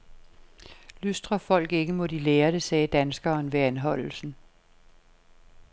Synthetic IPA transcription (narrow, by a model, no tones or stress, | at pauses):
lysd̥ʁɐfɒ̽l̰ɡ̥e̝ɡ̥əmo̽d̥ileːɐd̥esɛːd̥ænsɡ̥ɐːnʋeænɦɒ̽l̰l̩sn̩